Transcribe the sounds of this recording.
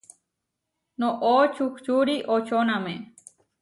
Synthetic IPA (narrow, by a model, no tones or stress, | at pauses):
nõʔot͡ʃukt͡ʃuɾiʔot͡ʃonãmẽ